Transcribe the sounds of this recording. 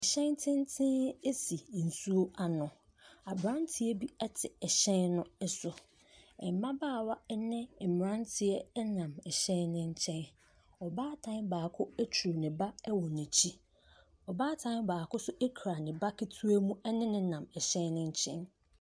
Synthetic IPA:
ɛ˨ɕɛ̃˦ntʰɪ̃˦n˦tʰɪ̃˦e˦si˨n̩˨su˦o˦a˨nʊ̃˨ | a˨bɾã˦ntʰɪ˦ɛ˦bi˦ɛ˦tʰɪ˨ɛ˨ɕɛ̃˦nːʊ̃˦ɛ˦sʊ˨ | ɛ˨m˨mã˦baː˦˨wa˦ɛ˦nɪ̃˦˨mɪ˨ɾã˦n˦tʰɪ˨ɛ˦nã˨mɛ˨ɕɛ̃˦nnɪ̃˦ɲ̩˦t͡ɕʰɛ̃˦n | ɔ˨baː˦tʰã˦nbaː˨kʰʊ˦æ˦t͡ɕʰu˨nɪ̃˨ba˦ɛ˦wɔ˨nĩ˨t͡ɕʰi˦ | ɔ˨baː˦tʰã˦n˦baː˨kʊ˦sʊ˦ʔe˦kʰɾa˨nɪ̃˨ba˦kʰi˦tʰu˦æ˦mũ˦ɛ˦nɪ̃˦nɪ̃˦nã˨mɛ˨ɕɛ̃˦nnɪ̃˦ɲ̩˦t͡ɕʰɛ̰̃˦n

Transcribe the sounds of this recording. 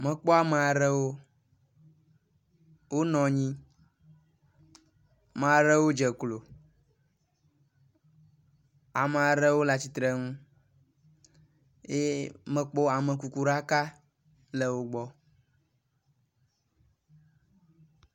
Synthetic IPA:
mɛ̃˨k͡pɔ˦a˦mɛ˨a˨ɾɛ˦wo˦ | wo˦nɔ̃˨ɲĩ˦ | m˨a˨ɾɛ˦wo˦d͡ʒɛ˨klo˨ | a˨mɛ˨a˨ɾɛ˦wo˦la˨t͡ɕi˦t̪ɾɛ˦ŋũ˦ | e˦mɛ̃˨k͡pɔ˦a˨mə̃˨ku˨ku˨ɾa˦ka˦ | lɛ˨wo˦ɡ͡bɔ˦

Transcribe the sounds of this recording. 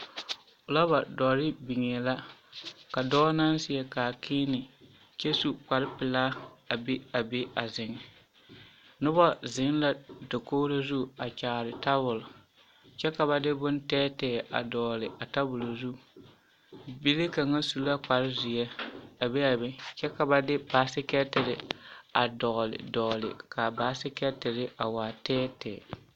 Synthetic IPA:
ʊ˨la˦ba˨dɔː˨ɾɪ˦bi˨ŋɛ˨la˦ka˨dɔː˦na˦n˦sɪ˨ɛ˨kaː˨kʰɪː˦nɪ˨ | t͡ʃe˦su˨k͡pa˨ɾɪ˦pɪ˨laː˦a˨be˦a˨be˦a˨zɪ˨ŋɛ˨ | nʊ˦bɔ˦zɪ˨˦la˦do˨koː˦ɾo˦zu˦a˨t͡ʃaː˨ɾɪ˨ta˦bʊ˨lʊ˨ | t͡ʃɛ˦ka˨ba˨dɪ˦bʊ˦n˦tɛː˦tɛː˨ʔa̰˨dɔː˨lɪ˨ʔa˨ta˦bʊ˨lo˨zu˦ | bi˦le˦ka˨ŋa˦su˨la˦k͡pa˨ɾɪ˦zɪ˨ɛ˦a˨be˦a˨bɪ˦t͡ʃɛ˦ka˨ba˨dɪ˦baː˨˦sɪ˦kɛ˦tɪ˨ɾɪ˨a˨dɔ˨ɣlɪ̰˨dɔ˨lɪ̰˨ka˨baː˨˦sɪ˦kɛ˦tɪ˨ɾɪ˦ʔa˨waː˨tɛː˦tɛː˨

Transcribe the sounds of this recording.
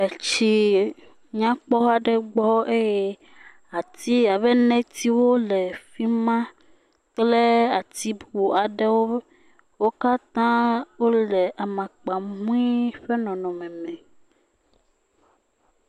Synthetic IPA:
e˨t͡ʃi˨ | ɲã˦k͡pɔ˦wa˨ɖɛ˦ɡ͡bɔ˦e˦je˦ | a˨t̪i˦a˨βɛ˦nɛ̃˦t̪i˦wo˦lɛ˨fi˦mã˦ | k͡ple˦a˨t̪i˦bu˨a˨ɖɛ˦wo˦ | wo˦ka˦t̪ã˦wo˦lɛ˨ʔa˨mã˨k͡pa˨mũ˦i˦ɸe˦nɔ̃˨nɔ̃˨mɛ̃˨mɛ̃˨

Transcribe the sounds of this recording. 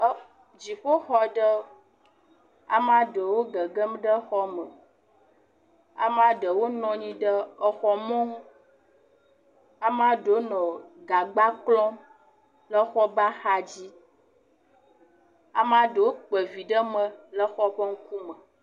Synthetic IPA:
d͡ʑi˨ɸo˦xɔ˨ɖə˦ | a̰˨m˦ã˦ɖə˨wo˦ɡə˨ɡə˦m˦ɖə˦xɔ˦mə˨ | a̰˨mã˦ɖə˨wo˦nɔ̃˨ɲĩ˦ɖə˦ə˨xɔ˨mɔ̃˦ | a˨m˦ã˦ɖə˨˦nɔ̃˨ɡa˨ɡ͡ba˦klɔ̃˦ | lə˦xɔ˦ba˦xa˦d͡ʑi˦ | a̰˨mã˦ɖə˨wo˦k͡pə˨vi˨ɖə˦mə̃˨lə˦xɔ˦ɸɔ˦ŋ̩˦ku˦mə˨

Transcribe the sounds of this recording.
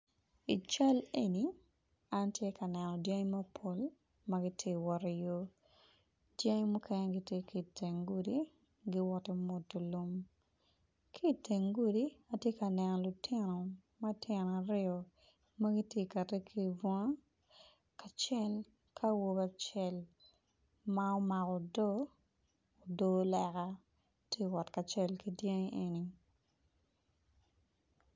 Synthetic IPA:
i˨t͡ʃa˦le˦ni˨ | a˦ntje˦kɐ˨nɛ˨nɔ˨dja˦ŋ˦mɐ˦pʰo˦l | mɐɡɪ˦tʰje˦wɔ˨ɾi˨jo˦ | dja˦ŋ˦mu˦kɛ˦ne˦ɡi˦tje˦ki˨te˨ŋɡu˦di˦ | ɡi˦wɔ˦te˦mo˨tːo˨lo˦m | kʰi˦˨te˨ŋɡu˦di˦a˨tje˦kɐ˨nɛ˨nɔ˨lʊ˨tɪ˦nɔ˨mɐ˦tʰjɪ˨n˨a˨ɾɪɔ˨ | mɐ˦ɡi˦tje˦ka˨te˦kʰi˦˨vwa˦ | ka˨t͡ʃɛ˦l | kʰa˦wo˦ba˦t͡ʃɛ˨l | ma˦ɔ˦ma˨kɔ˨do˦ | o˨do˦lɛ˨ka˦ | tʰje˦wɔ˨tka˨t͡ʃɛ˦lki˦dje˦ŋi˦ʔe˨ni˨

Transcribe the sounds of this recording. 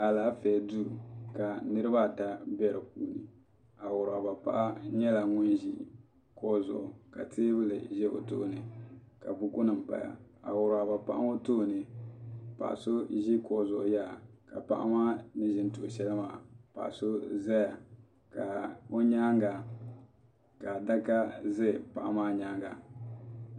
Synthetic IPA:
a˨laː˨˦fɛː˨du˦ɾu˨ka˨nɨ˦ɾɨ˦ba˦˨ta˦bɛ˦ɾɨ˨p̚uː˦nɨ˨ | a˨wʊ˨ɾʊ˨a˨ba˨pa̰˦ʔa˦ɲɛ˦la˨ŋʊ˦nʒi˦ | kɔ˨zɔ̰˨ʔʊ˨ka˨tʰeː˦bɨ˦lɨ˨ʒɛ˦ʔo̰˨to̰˦ʔnɨ˨ka˨bʊ˦kʊ˦nɨ˨m˨pa̰˨ja̰˨a̰˨wʊ˨ɾʊ˨a˨ba˨pa˦ʔa˦ŋo˦toː˦˨nɨ˨ | pa̰˨ʔa̰˨so˦ʒi˦kɔ˨zʊ˨ʔʊ˨ja˦˨ka̰˨pa˦ʔa̰˦maː˦nɨ˦ʒɪ˦n˦tʊ˨ʔʊ˨ʃɛ˦lɨ˦maː˦˨pa̰˨ʔso˦zɛ˦ja˨ | ka˨o˦ɲa˦ŋɡa˨ | ka˨da˦ka˦zɛ˦˨pa˨ʔa˦maː˦ɲaː˦ŋɡa˨

